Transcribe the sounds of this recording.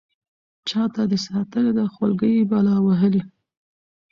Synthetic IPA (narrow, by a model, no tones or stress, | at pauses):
t͡ʃɑt̪ad̪əsɑt̪əled̪axalɡəjbɑlɑwaɦəli